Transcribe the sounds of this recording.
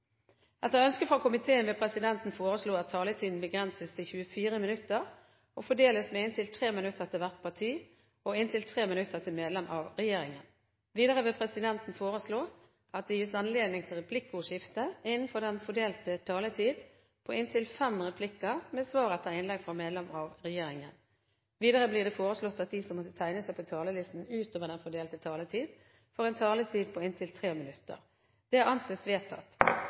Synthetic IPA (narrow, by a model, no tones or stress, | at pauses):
ɛt̪əœnskəfʁɑkʰʊmɪt̪ʰeːənʋɛpʰɾɛsɪd̪ɛnt̪n̩foːʁəsluːɑt̪ʰːɑːlət̪ʰiːd̪n̩bəɡʁɛnsəst̪ʰɪlçʉəfiːɾəmɪnʉt̪ːəʁ | ɔfɔɖeːləsmɛɪnt̪ʰɪlt̪ʰʁeːmɪnʉt̪ːəʁɛt̪əlʋæʁt̪̚pʰɑt̪ʰiː | ɔɪnt̪ʰɪlt̪ʰʁeːmɪnʉt̪ːəʁɛt̪ɪmeːd̪lɛmʔɑʋʁɛjeːɾɪŋən | ʋiːd̪ɑʁəʋɪpʰɾɛsɪd̪ɛnt̪n̩foːʁəsloː | ɑt̪̚d̪ɛjɪsɑnleːd̪nɪŋt̪ʰɪlʁɛpʰlɪkːʊʂɪft̪əɪnːn̩fɔʁd̪ɛnfɔɖeːlt̪ət̪ʰɑːlət̪ʰiːd̪ | pʰɔɪnt̪ʰɪlfɛmʁɛpʰlɪkːəʁmɛsʋɑːʁət̪ʰɛɪnlɛɡfʁɑmeːd̪lɛmɑʋʁɛjeːɾɪŋən | ʋiːd̪əɾəbliːd̪ɛfoːɾəslɔt̪ːɑt̪̚d̪ɪsɔmːɔt̪ːət̪ʰæɪnəsæɪpʰɔt̪ʰɑːləlɪst̪n̩ʉːt̪oːʋəɖ̪ɛnfɔɖeːlt̪ət̪ʰɑːlət̪ʰiːd̪ | fɔʁɛnt̪ʰɑːlət̪ʰiːd̪̚pʰɔɪnt̪ʰɪlt̪ʰʁeːmɪnʉt̪ːə̰ɾ | d̪̥ɛæʁɑnseːsʋeːt̪ʰːɑ̰t̪ː